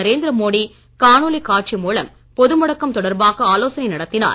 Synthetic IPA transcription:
ɐɾeːnd̪ɪɾɐmoːɽi | kaːnulikaːʈ̚t͡ʃimuːlɐm | pɔðɯmɔɽɐkːɐmt̪ɔɽɐɾbaːɣɐaːloːsɐnɐɪnɐɽɐt̪ːɪna̰ːɾ

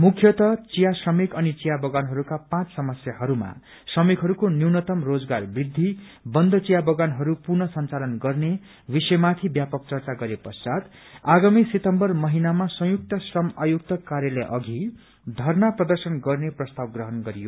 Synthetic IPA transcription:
mukʰjʌt̪ʌt͡sijasrʌmikʌnit͡sijabʌɡanɦʌɾukapãt͡ssʌmʌsjaɦʌɾuma̰ | srʌmikɦʌɾukoniwnʌt̪ʌmrod͡zɡarbrid̪ʱːi | bʌnd̪ʱʌt͡sijabʌɡanɦʌɾupurnʌsʌnt͡salʌnɡʌrne | bisʌjmat̪ʰibjapʌk̚t͡sʌrt͡saɡʌɾepʌrsad̪ | aɡamiset̪ʌmbʌrmʌɦinamasʌ̃juk̚t̪ʌsrʌmajuk̚t̪ʌkaɾjʌlʌjʔʌɡʱi | d̪ʱʌrnaprʌd̪ʌrsʌnɡʌrneprʌst̪awɡrʌɦʌnɡʌɾijo

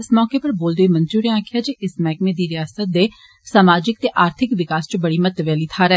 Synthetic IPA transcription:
ɪsmɔːkepɐɾboːld̪eimɐ̃nd͡ʒuːɾiãːkʰɪjaːd͡ʒeʔɪsmɛːkmed̪iːɾɪjaːsət̪̚d̪eː | saːmaːd͡ʒɪk̚t̪eːʔaːɾt̪ʰɪkʋɪkaːst͡ʃbɐɽiːmɐt̪ʋɛːliːt̪ʰaːɾɛ

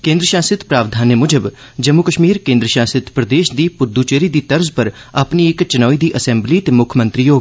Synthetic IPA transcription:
kẽːnd̪ɾəʃaːsɪt̪pɾaːʋd̪ʱaːnemʊd͡ʒəb | d͡ʒəmːukəʃmiːɾkẽːnd̪ɾəʃaːsɪt̪pɾəd̪eːʃd̪iːpʊɾd̪uːt͡ʃeːɾiːd̪iːt̪əɾzpəɾapniɪkt͡ʃənɔːiːd̪iːʔəsɛ̃mbliːt̪eːmʊkʰmə̃nt̪ɾiːjoː

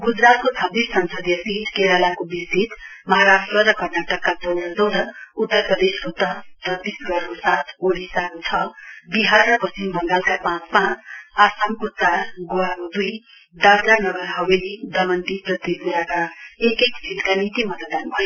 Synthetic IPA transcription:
ɡud͡zɾat̪̚kot͡sʰʌbisʌnsʌd̪jʌsit̪keɾalakobisit̪mʌɦaɾasʈrʌɾʌkʌrnaʈʌkːad͡zonad͡zʌwd̪ʱʌut̪ːʌrprʌd̪eskot̪ʌt̪ʌt̪isɡʌɾosat̪ʰoɽisat̪t͡sʰʌbiɦarːʌpʌsimbʱʌŋɡalkapãt͡smat͡sasamkot͡saɾɡoamd̪uj | d̪awd͡zanʌɡʌɾɦʌwelid̪ʌmʌnt̪iprʌt̪epuɾakaekekd͡zilkanit̪imʌt̪d̪anbʱʌjo

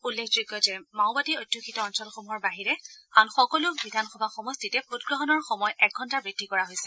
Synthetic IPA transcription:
ulːekʰzojɡɔzɛmaʊbatiojdʱjoxʰitɔɔnsɔlxomuɦɔɹbaɦiɹɛanxɔkɔlʊbidʱanxɔbʱaxɔmɔstitɛpʰotɡɹɔɦɔnɔɹxɔmɔjʔɛk̚ɡʱɔntabɹid̥ʱːikɔɹaɦojsɛ

